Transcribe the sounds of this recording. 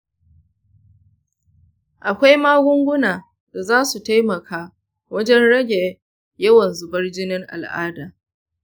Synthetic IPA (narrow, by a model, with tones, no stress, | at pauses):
ʔa˨kʷa˦jmaː˦ɡʷʊ˦ŋɡʷʊ˦naː˨ | da˨zaː˦su˨ta˦jmɐ˨kʰaː˦ | wɐ˦d͡ʒɛ˦nɽɐ˦ɡʲe˨ | jɐ˦wɐ˨nzʊ˨bɐ˦rd͡ʒɪ˦nɪ˦ŋʔa̰˨lʔa̰ː˦daː˨